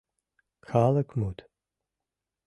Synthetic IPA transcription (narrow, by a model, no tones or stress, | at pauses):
xʰaːlɐkʷʰmuːtʰ